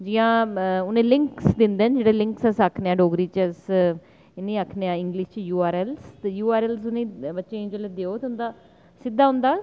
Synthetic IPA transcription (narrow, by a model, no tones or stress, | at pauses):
d͡ʒiːãːʊnẽːlɪŋksd̪ɪnd̪eːnd͡ʒeːɽeːlɪ̃ŋksəsakʰneãːɖoːɡɾiːt͡ʃəs | ɪnĩːakʰneːãːɪŋɡlɪʃt͡ʃjuːaːɾɛːlst̪ejuːaːɾɛːls̬ʊnẽːbətːʃẽːd͡ʒoled̪eːoːt̪eʊ̃nd̪aː | sɪd̪aːʊ̃nd̪aː